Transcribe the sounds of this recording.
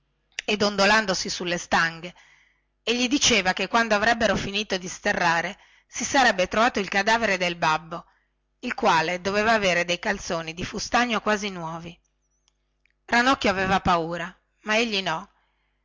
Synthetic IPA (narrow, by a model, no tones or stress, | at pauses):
ed̪ond̪oland̪osisulːest̪aŋɡe | eʎːid̪it͡ʃeːvakekːwand̪oavɾɛbːeɾofiniːt̪od̪ist̪erːaːɾe | sisaɾɛbːet̪ɾovaːt̪oilkad̪aːveɾed̪elbabːo | ilkwaːled̪oveːvaːveːɾed̪ejkalt̪soːnid̪ifust̪aɲːokwaːzinwɔːvi | ɾanɔkːoaveːvapauːɾa | maeʎːinɔ